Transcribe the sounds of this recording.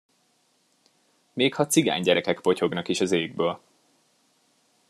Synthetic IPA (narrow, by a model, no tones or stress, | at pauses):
meːkhɒt̪siɡa̰ːɲɟɛɾɛkɛkpo̞co̞ɡnɒkiʃɒzeːɡ̚bøːl